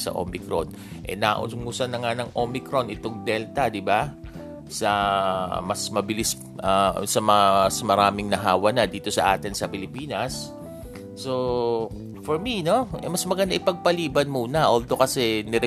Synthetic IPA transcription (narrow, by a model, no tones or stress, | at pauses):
sɐ̰ʔo̰mɪkɾon | ʔɛ̰naːʔʊ̰ŋʊsɐnɐŋanɐŋʔomɪkɾo̞nʔɪt̪o̞ŋd̪ɛlt̪ɐd̪ɪba | sɐ | mɐsmɐbɪlis | ʔɐsɐmɐŋasmɐɾaːmɪŋnɐɦaːwɐnɐd̪iːt̪o̞sɐʔa̰ːt̪ɪnsɐpɪlɪpiːnɐsː | o̞ | foɹmino̞ʔɛmɐsmɐɡɐnd̪aʔɪpɐɡ̚pɐliːbɐnmuːnɐʔold̪o̞kɐsɛnɪɾɛ